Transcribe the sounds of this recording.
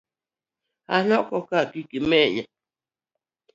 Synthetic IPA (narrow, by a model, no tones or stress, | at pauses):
a̰nɔkɔkakikimɛja